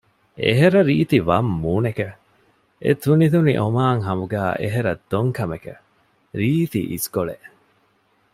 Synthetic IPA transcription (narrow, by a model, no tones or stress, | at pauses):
ḛɦeɾɐɾiːt̪iʋɐmːuːneke | ḛt̪unit̪uniʔomaːŋɦɐmuɡæːʔḛɦeɾɐd̪̥ːoŋkʰɐmekḛ | ɾiːt̪ḭʔiskoɭeʔ